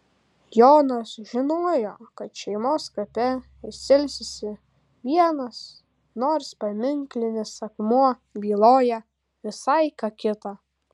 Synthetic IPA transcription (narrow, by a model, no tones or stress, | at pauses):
joːnɐsʒʲɪnoːjoːkɐt̪ʃʲɛɪmoːskɐpʲɛ | ɪʃsʲɪlʲsʲɪsʲɪ | ʋʲiɛnɐs | noːɾspɐmʲɪŋklʲɪnʲɪsɐkmuɔ | bʲiːlˠoːjɛ | ʋʲɪsɐɪkɑkʲɪt̪ɑː